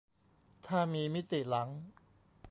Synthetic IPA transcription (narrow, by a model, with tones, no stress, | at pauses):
t̪ʰaː˥˩miː˧mi˦˥t̪i˨˩la˩˦ŋ